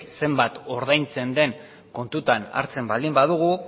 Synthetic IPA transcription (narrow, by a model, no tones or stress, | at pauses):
se̞mbat̪o̞ɾðajnt͡se̞nd̪e̞ŋ | ko̞nt̪ut̪ana̰ɾt͡se̞mbald̪imbaðuɣ̞u